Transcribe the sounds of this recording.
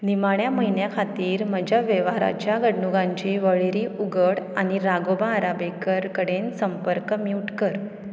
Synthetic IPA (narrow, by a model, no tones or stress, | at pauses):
nimaɳjaməɦinjakʰat̪iːɾməd͡ʑʱaʋeʋaɾa̰t͡ɕjaɡəɽɳuɡãɲt͡ɕiːʋəɭeɾiːʔuɡəɽaɽ̃iɾaɡobaːɾabekəɾkəɽensəmpəɾkəmjuʈkəɾ